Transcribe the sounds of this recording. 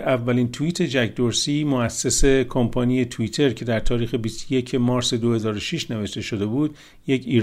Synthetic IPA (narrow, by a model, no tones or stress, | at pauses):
ævːælint̪ʰuiːt̪ʰe̞d͡ʒækʰd̪oɾsiːmoæsːese̞kʰompʰɒːnije̞t̪ʰuiːt̪ʰe̞ɾkcʰe̞d̪æɾt̪ʰɒːɾiːxe̞bist̪ʰoje̞cʰe̞mɒːɾse̞d̪ohe̞zɒːɾoʃiʃne̞ve̞ʃt̪e̞ʃo̞d̪e̞buːd̪ | je̞cʰiːɾ